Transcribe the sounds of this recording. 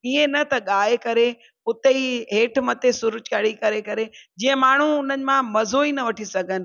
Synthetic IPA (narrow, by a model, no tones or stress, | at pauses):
iːẽnɐt̪ɐɠaːɦekɐɾe | ʊt̪eiɦeːʈʰmɐt̪esʊɾʊd͡ʑkɐɽikɐɾekɐɾed͡ʑĩːə̃maːɳ̤uʊn̤ənɪ̆mãmɐzoːinɐʋɐʈʰisɐɡʱənɪ̆